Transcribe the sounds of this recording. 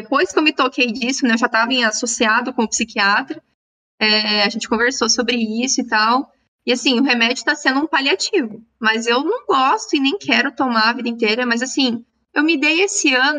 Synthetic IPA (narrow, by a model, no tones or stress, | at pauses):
epojskewmɪt̪okejd͡ʒisʊnɛewʒat̪avɐĩasosiad̪ʊkõʊpsikiat̪ɾɐ | ɛaʒẽnt͡ʃɪ̥kõveɾsosobɾɪisʊɪt̪aw | ɪasĩʊɦemɛd͡ʒʊ̥t̪asẽnd̪ʊũpaliat͡ʃivʊ | mɐzewnɐ̃w̃ɡɔst̪ʊɪnẽj̃kʰɛɾʊt̪omaɾɐvid̪ɐĩnt̪eɾɐmɐzasĩ | ewmɪd̪ejesɪɐ̃nʊ